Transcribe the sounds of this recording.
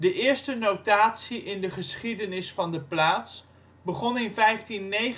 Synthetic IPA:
dəʔɪːɹstənowtaːtsiʔɪndəχəsχidənɪsfɑndəplaːts | bəχɔnɪnvɛjftinːej

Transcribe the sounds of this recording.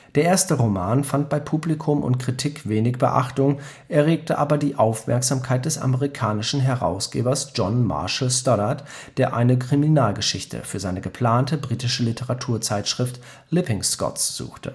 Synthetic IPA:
d̥eːɐʔeːɐstəʁomaːnfant̚b̥aɪpʰuːblikʰʊmʔʊ̰ntkʁ̥itʰiːkv̥eːnɪçb̥ə̰ʔa̰χtʊŋ | ʔɛɐʁeːk̚təʔaːbɐdiːʔaʊfmʔɛ̰ɐkz̥aːmkʰaɪt̚d̥ɛsʔa̰məʁikʰaːnɪʃn̩ɦɛɐʁa̰ʊsɡ̥ḛːbɐsd͡ʒ̥ɔnma̰ɐʃl̩stɔatd̥eːɐʔa̰ɪnəkʁ̥iminaːlɡəʃɪçtʰə̰fyːɐzaɪnəɡəpʰl̥aːntəbʁiːtɪʃəlitʰəʁatʰuːɐt͡saɪtʃʁ̥ɪft | lɪpɪŋskɔ̰tsz̥ṵːxtʰə̰

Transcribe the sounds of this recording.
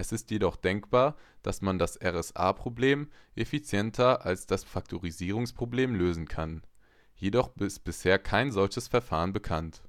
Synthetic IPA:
ʔɛsɪstjedɔχd̥ɛŋkb̥aːɐd̥asmandasʔɛʁɛsʔa̰ːpʁ̥obleːmʔefit͡sjɛntʰɐʔalsd̥asfak̚tʰoʁiziːʁ̞ʊŋspʁ̥obleːmløːzn̩kʰan | jedɔχɪst̚b̥ɪsheːɐkʰaɪnzɔlçəsfɛɐfaːʁənbəkʰant

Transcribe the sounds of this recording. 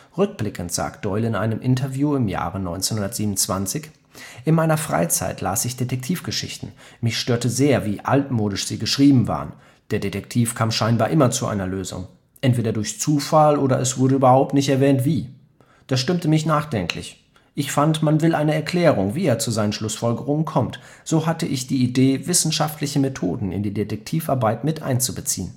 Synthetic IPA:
ʁʏk̚b̥lɪkʰn̩tz̥a̰ːk̚t̚d̥ɔʏlɪnʔa̰ɪnəmʔɪntɐvjuːɪmja̰ːʁənɔ̰ʏnt͡senhʊndɐtz̥iːbmnʊnt͡sv̥a̰nt͡sɪç | ʔɪnmaɪnɐfʁ̥a̰ɪt͡sa̰ɪtʰla̰ːsɪçd̥etʰɛk̚tʰiːfɡ̥əʃɪ̰çtn̩mɪçʃtøːɐtəzeːɐviːʔa̰ltmoːɾɪʃz̥iːɡəʃʁ̥iːbm̩va̰ːʁən | d̥eːɐdetɛktʰiːfkʰaːmʃaɪnbaːɐʔɪmɐt͡suʔa̰ɪnɐløːzʊ̰ŋ | ʔɛntv̥eːdɐdʊɐçt͡suːfalʔoːɾɐ̰ʔɛsv̥ʊɐɾəyːbɐhaʊp̚tnɪçtɛɐvɛːntv̥iː | d̥aːʃtɪmtəmɪçnaːχd̥ɛŋkʰlɪ̰ç | ʔɪçfantmanvɪlʔaɪnəɛɐkʰl̥ɛːʁ̞ʊŋviːeːɐt͡suzaɪnən̩ʃlʊsfɔlɡəʁ̞ʊŋənkʰɔmtz̥oːɦatəʔɪçd̥iːideːvɪsn̩ʃaftlɪçəmetʰo̰ːdn̩ɪ̰ndiːdetɛk̚tʰiːfʔaɐbaɪtmɪtʔa̰ɪnt͡subət͡sḭːən

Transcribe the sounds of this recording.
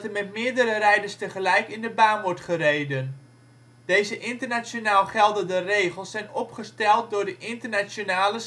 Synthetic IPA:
təmɛtmɪədəɾərɛjdərstəχəlɛjkɪndəbaːnʋɔɹtχərejdən | d̥ejzəʔɪntərnat͡sjonaːlˠχɛlˠdəndəreːχəlˠsːɛjnɔpχəstɛlˠt̚dʊːɹdəʔɪntərnasjonaːlə

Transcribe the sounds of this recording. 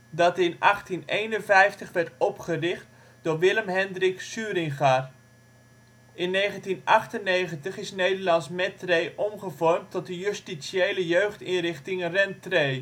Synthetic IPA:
dɑtɪnʔɑχtinejnənvɛjftəχʋɛɹtɔpχərɪχt | d̥ʊːrʋɪləmɦɛndrɪksyːɾɪŋχar | ɪnːejχəntinʔɑχtənːejχəntəχɪsnejdəɹlɑnsmɛtrejʔɔmχəvɔrmtɔt̚dəjøstisiejləjøɥχtɪnrɪχtɪŋrɛntrej

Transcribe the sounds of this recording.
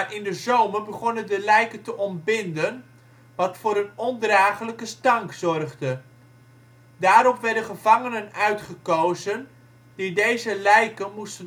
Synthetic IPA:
ʔɪndəzowmərbəχɔnəndəlɛjkəntəʔɔnbɪndən | ʋɑtfʊːɾənɔndraːχələkəstɑŋkzɔrχdə | daːɾɔpʋɛɹdəχəvɑŋənənœɥtχəkowzən | didejzəlɛjkənmustən

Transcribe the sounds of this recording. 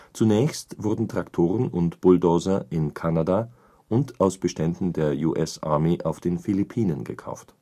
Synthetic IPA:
t͡sunɛːçstvʊɐdn̩tʁ̥aktʰoːʁ̞ənʊntb̥ʊldoːzɐʔɪnkʰanada | ʔʊntaʊsb̥əʃtɛndn̩deːɐjuʔɛsʔaɐmeʔaʊfd̥eːnfilipʰiːnənɡə̰kʰa̰ʊft

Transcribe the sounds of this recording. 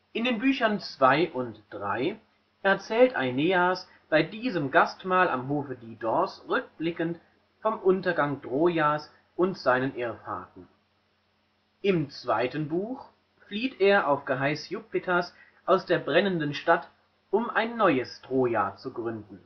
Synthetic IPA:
ʔɪndeːnbyːçɐnt͡sv̥aɪʔʊntd̥ʁa̰ɪ | ʔɛɐt͡sɛːltʔa̰ɪneːas | b̥aɪdiːzəmɡastmaːla̰mɦoːfədiːdɔɐsʁʏk̚b̥lɪkənt | fɔmʔʊntɐɡaŋdʁoːjaːs | ʔʊntz̥aɪnənʔeːɐfa̰ːɐtn̩ | ʔɪmt͡sv̥aɪtən̩buːx | fliːteːɐʔaʊfɡ̥əɦaɪsjʊpɪtʰas | ʔaʊsd̥eːɐbʁɛnəndənʃtat | ʔʊmʔaɪnːɔʏəsd̥ʁoːjaːt͡suɡʁʏndn̩

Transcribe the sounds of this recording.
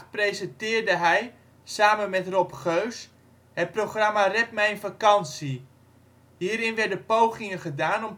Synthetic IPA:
prejzəntɪːrdəɦɛj | saːmənmɛtrɔpχøɥs | hət̚proχramarɛt̚mɛjənfakɑnsi | ɦiːɾɪnʋɛɹdəpowχɪŋəχədaːnɔm

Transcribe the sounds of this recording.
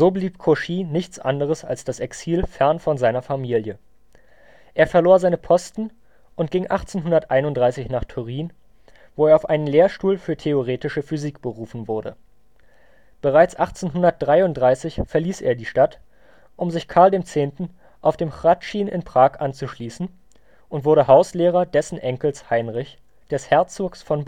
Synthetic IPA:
z̥oːbliːpkʰoʃiːnɪçt͡sʔa̰ndəʁ̞əsa̰lsd̥asɛksiːlfɛɐnfɔnzaɪnɐfamiːljə | ʔeːɐfɛɐloːɐzaɪnəpʰɔstn̩ | ʔʊnt̚ɡ̥ɪŋʔaχt͡seːnɦʊndɐtʔaɪnʊntd̥ʁaɪsɪçnaːχtʰyʁ̞iːn | voːeːɐaʊfʔaɪnəmleːɐʃtuːlfyːɐtʰeoʁ̞eːtɪʃəfyziːkb̥əʁuːfn̩vʊɐdə̰ | b̥əʁ̞aɪt͡sʔaχt͡seːnɦʊndɐt̚d̥ʁaɪʊnt̚d̥ʁaɪsɪçfɛɐliːsʔḛːɐdiːʃtat | ʔʊmzɪçkʰaɐldeːmt͡seːntn̩ | ʔaʊfd̥eːmxʁ̥atʃiːnʔɪ̰npʁ̥aːkʔant͡suʃliːsn̩ | ʔʊntv̥ʊɐɾəɦaʊsleːʁ̞ɐdɛsn̩ʔɛŋkl̩shaɪnʁɪç | d̥ɛshɛɐt͡soːksfɔnb

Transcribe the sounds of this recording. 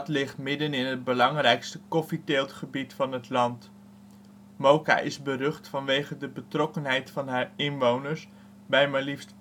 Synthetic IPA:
tlɪχtmɪdənɪnɦəd̚bəlɑŋrɛjkstəkɔfiteːlˠtχəbitfɑnɦətlɑnt | mowka̰ʔɪzbərɵχtfɑnʋejχədəbətrɔkənɦɛjtfɑnɦaːɹɪnʋownəɹs | bɛjmalift

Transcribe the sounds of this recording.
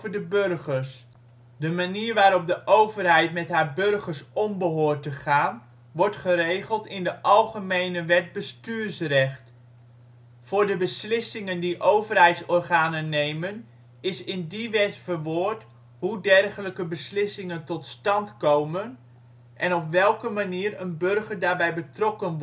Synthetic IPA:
vəɹdəbørχəɹs | dəmaniːɹʋaːɾɔp̚dəʔowvərɦɛjtmɛtɦaːɹbɵrχəɹsɔmbəɦʊːɹtəχaːn | ʋɔɹtχərejχəlˠtɪndəʔɑlˠχəmejnəʋɛd̚bəstyːɹsrɛχt | v̥ʊːɹdəbəslɪsɪŋəndiʔowvərɦɛjtsɔrχaːnənːejmən | ɪsɪndiʋɛtfəɹʋʊːɹt | ɦudɛrχələkəbəslɪsɪŋəntɔtstɑntkowmən | ʔɛnɔpʋɛlˠkəmaniːɾənbørχəɹdaːɹbɛjbətrɔkən

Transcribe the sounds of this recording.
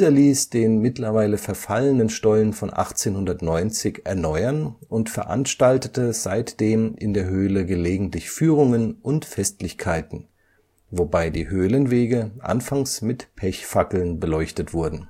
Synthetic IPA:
izɐliːsd̥eːnmɪtlɐvaɪləfɛɐfalənənʃtɔlənfɔnʔa̰χt͡seːnhʊndɐtnɔʏnt͡sɪçʔɛɐnɔʏɐnʔʊntfɛɐʔa̰nʃtaltətəz̥aɪtd̥eːmʔɪndeːɐɦøːləɡəleːɡŋ̩tlɪçfyːʁ̞ʊŋənʔʊntfɛstlɪçkʰaɪtn̩ | vobaɪdiːhøːlənveːɡəʔa̰nfaŋsmɪtpʰɛçfakl̩nbəlɔʏçtətv̥ʊɐdn̩

